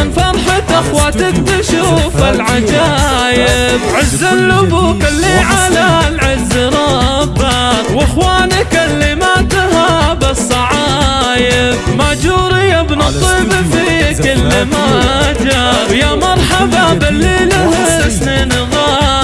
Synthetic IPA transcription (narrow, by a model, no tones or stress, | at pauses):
nfɑɾˤħat̪ʔaxwaːt̪ɪk̚b̪ɪʃuːfɪlʕad͡ʒaː | jɪbʕɪzːalːʊbuːkɪlːiʕalalʕɪzːɾˤɑbːawɪxwaːnɪkalːimat̪habasˤːɑʕɑ | jɪbmad͡ʒuːɾɪjabnɑt̪ˤiːbɪfikɪlːɪmad͡ʒajamɑɾˤħababɪlːiːlɪh | sneːn | ɣaː